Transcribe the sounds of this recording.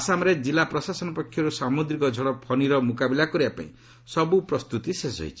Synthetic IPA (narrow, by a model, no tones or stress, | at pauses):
asamɔɾed͡ʒilapɾɔsasɔnɔpɔkʰːjɔɾusamud̪ɾikɔd͡ʒʱɔɽɔpʰɔniɾɔmukabilakɔɾibapa̰ḭ̃ | sɔbupɾɔst̪ut̪isesɔ̰ɦj̰t͡ʃʰi̥